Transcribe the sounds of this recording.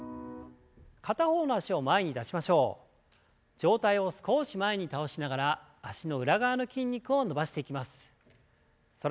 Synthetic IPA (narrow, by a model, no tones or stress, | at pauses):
kat̪aho̞ːno̞aɕio̞mae̞ɲ̟id̪aɕimaɕo̞ː | d͡ʑo̞ːt̪aio̞sɨ̥ko̞ːɕimae̞ɲ̟it̪ao̞ɕinaɡaɾaː | ɕino̞ɯ̟ɾaɡaːno̞kʲĩɲ̟ʲːikɯ̟o̞no̞baɕi̥t̪e̞ikʲimasɨ̥ | so